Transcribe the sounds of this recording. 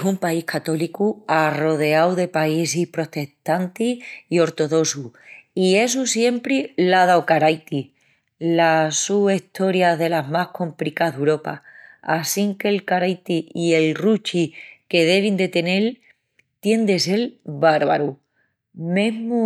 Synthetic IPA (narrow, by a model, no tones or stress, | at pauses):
sumpaihkat̪o̞likuaro̞ð̞e̞awðe̞paisihpɾo̞t̪e̞ht̪ant̪iio̞ɾt̪o̞ðo̞suie̞s̬usje̞mpɾilaðawkaɾajt̪i | lasuβeht̪ʰo̞ɾjaðe̞laɦmahko̞mplikaðewɾo̞pa̰asiŋke̞lkaɾajt̪iie̞lrut͡ʃike̞ðe̞β̞ind̪e̞t̪e̞ne̞l | t̪je̞nd̪e̞se̞lβaɾβa̰ɾu | mẽɦmu